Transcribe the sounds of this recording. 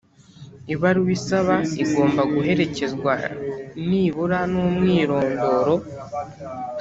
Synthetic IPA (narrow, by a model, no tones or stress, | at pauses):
iβaɾuwisaβaiɡo̞ːmbaɡuɦe̞ɾe̞ce̞zɡwaniːβuɾanumŋiːɾo̞ːŋɡo̞ːɾo̞